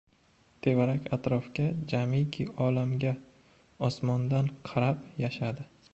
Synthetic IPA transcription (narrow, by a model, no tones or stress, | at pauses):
t̪ʰe̞vaɾakʲʰat̪ɾɒfkʲad͡ʒamikʲʰiɒlamɡʲa | ɒsmɒnd̪anqʰɑɾapjaʃad̪ɪ